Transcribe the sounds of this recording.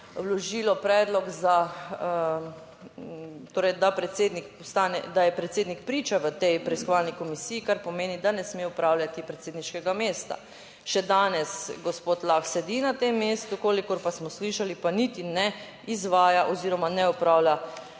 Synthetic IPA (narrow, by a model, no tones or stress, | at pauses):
wlɔʒiːlɔpɾɛːd̪lɔɡza | t̪oːɾɛjd̪apɾɛt̪seːd̪nikpɔst̪aːnɛ̰d̪ajɛpɾɛt̪seːd̪nikpɾiːt͡ʃaʋət̪ɛjpɾɛiskoɔʋalnikɔmisiːkaɾpɔmeːnid̪anɛsmeɔpɾaːwljat̪ipɾɛt̪seːd̪niʃkɛɡameːst̪a̰ | ʃɛd̪aːnɛsɡɔspoːt̪laxsɛd̪inat̪emːeːst̪ukoːlikɔɾpasmɔsliʃalipanit̪inɛ | izʋaːjaʔɔziːɾɔmanɛɔpɾaːwlja